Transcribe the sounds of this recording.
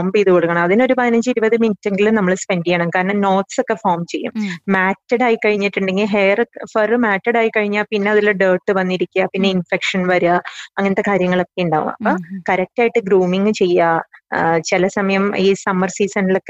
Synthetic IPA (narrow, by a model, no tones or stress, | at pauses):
mbiːðukoɽukːɐɳɐmɐðino̞ɾupɐɐnɐɲd͡ʑiɾubɐðɨminitːeŋɡilumnɐmːɐɭspe̞nɖijaːɳɐkaːɾnɐno̞ːtso̞kːe̞foːrmt͡ɕe̞jːṵmmaːtːɐɽaːjikɐɻiɲːiʈːuɳɖe̞ŋɡilɦejɐrfɐrɨmaːtːɐɽaːjikɐɻiɲːaːpinːe̞ɐðilːɐɖəːʈːɨʋɐnːiɾikʲːuɐpinːe̞infekʂɐnʋɐɾuaɐŋːɐniɐt̪ːe̞kaːɾjɐŋːɐɭo̞kːe̞uɳɖa̰ːʋṵmɐ̰pːɐkɐɾɐk̚taːjiʈːɨɡɾuːmiŋɡɨt͡ɕe̞jːa | t͡ɕilɐsɐmɐjɐmiːsɐmɐrsiːsɐnilo̞kːe